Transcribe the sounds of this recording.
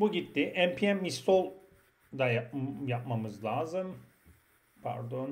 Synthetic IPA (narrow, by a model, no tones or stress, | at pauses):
buɟit̪ːɪʔæmpʰiɛmist̪ʰolˠ | d̪ajajap̚mamɯzlˠaːzɯm | pʰæ̰ɾd̪o̞n